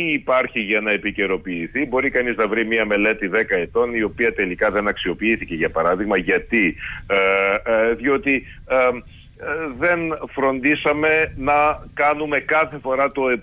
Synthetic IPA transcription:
iːpɐɾçiʝɐnɐepice̞ɾo̞piːθibo̞ɾikɐniznɐvɾimiɐme̞le̞t̪iðe̞kɐe̞t̪o̞nio̞piɐt̪e̞likɐðe̞nɐksio̞piːθice̞ʝɐpɐɾɐðiɣmɐʝɐt̪i | ðio̞t̪i | ðe̞nfɾo̞nd̪isɐme̞nɐkɐnume̞kɐθe̞fo̞ɾɐt̪o̞e

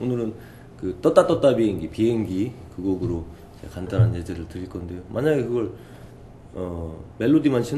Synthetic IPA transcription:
onɯɾɯn | kɯt͈ʌt͈at͈ʌt͈abiɦeŋɡipiɦeŋɡikɯɡʌɡɯɾo | id͡ʑe̞̰kandanɦanjed͡ʑeɾɯɭtɯɾiɭk͈ʌnde̞jomʔaɲaɡe̞kɯɡʌɭ | ʌme̞ɭːodimanɕʰin

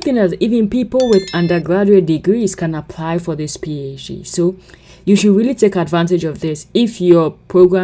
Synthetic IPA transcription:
θɪ̃ŋðɨɾivɨ̃npipl̩ˠwɪðʌ̃ndə˞ɡɹad͡ʒuet̚dɨɡɹiz̥kʰɨ̃nəpʰl̥aɪfə˞ðɪspʰied͡ʒḭsoʊ | jɨʃɨd̚ɹilˠitʰeɪkədvãntɨd͡ʒʌvðɪsɪfjə˞pʰɹ̥oʊɡɹã

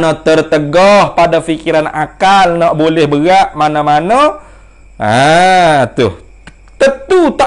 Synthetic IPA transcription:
nət̪ərt̪əɡɔhpadafikiɾana̰kalnaʔbolɛhbəɡaʔmanəmanə | a | t̪ʊh | t̪ət̪ut̪a

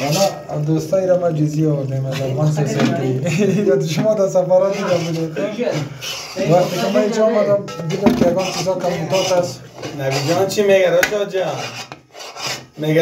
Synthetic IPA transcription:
ana | d̪ost̪aiɾamad͡ʒiziɔd̪emazafʁansɔsat̪iiɾat̪ʃumɔd̪asafɔɾat̪id̪abud̪ed̪ | vaχt̪ikimaid͡ʒɔːmad̪ambid̪omkijaɡɔnt͡ʃizɔkʰamut̪ɔt̪as | naɡid͡ʒant͡ʃʰimeɡaɾɔd͡ʒɔd͡ʒa | meɡ

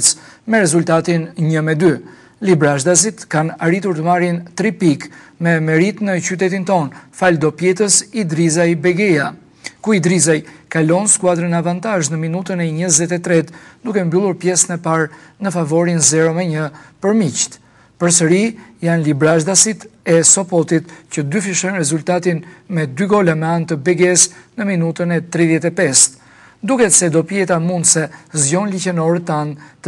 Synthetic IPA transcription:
t͡s | mɛɾɛzult̪at̪inɲəmɛd̪y | libɾaʒd̪as̬it̪kanaɾit̪uɾt̪əmaɾjint̪ɾipikmɛmɛɾit̪nət͡ʃyt̪ɛt̪̬int̪ɔnfald̪ɔpjɛt̪əsid̪ɾizajbɛɡɛja | kuid̪ɾizajkalɔnskuad̪ɾənavant̪aʒnəminut̪ənɛɲəzɛt̪ɛt̪ɾɛt̪d̪ukɛmbylˠuɾpjɛsənɛpaɾnəfavɔɾinzɛɾɔmɛɲəpəɾmict̪ | pəɾs̬əɾijanlibɾaʒd̪asit̪ɛsɔpɔt̪it̪cəd̪yfiʃɔnɾɛzult̪at̪inmɛd̪yɡɔlamɛant̪əbɛɡɛsnəminut̪ənɛt̪ɾiðjɛt̪ɛpɛst̪ | d̪ukɛt̪sɛd̪ɔpjɛt̪amund̪sɛzjɔnlicɛnɔɾət̪ːant̪

